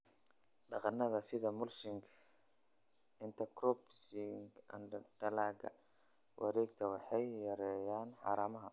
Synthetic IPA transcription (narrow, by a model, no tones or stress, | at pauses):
ɖɑqɑnːɐðɐsɪðɐmʊlsɪŋkʰ | ɪnt̪ʰɐkɾɔbsɪŋɡɐ̰nɖɐlaːɡɐ̰ | wʔɑ̰ɾɛːɡt̪ʰɐwɑħɑjːɐɾɛːjaːnħɑ̰ːɾaːmɐɦɐ